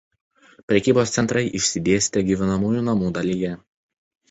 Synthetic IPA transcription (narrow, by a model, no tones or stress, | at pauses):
pʲɾʲɛkʲiːboːst̪sʲɛnt̪ɾʔɐɪʔɪʃʲsʲɪd̪ʲeːsʲt̪ʲɛɡʲiːʋʲɪnɐmuːjuːnɐmuːd̪ɐlʲijɛ